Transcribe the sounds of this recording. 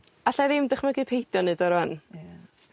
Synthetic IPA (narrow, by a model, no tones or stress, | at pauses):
aɬaðɪmdəχmaɡɨpʰejdjɔnɨːdɔɾan